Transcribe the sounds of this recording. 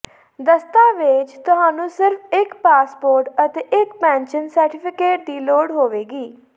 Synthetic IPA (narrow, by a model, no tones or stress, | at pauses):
d̪əst̪aːʋet͡ʃt̪ʊɦaːnũːsɪɾfʰɪkpaːspoːɾʈət̪eːʔɪkpɛ̃ːɲt͡ʃənsəɾʈɪpʰɪkeːʈ̚d̪iːloːɽɦoːʋeːɡiː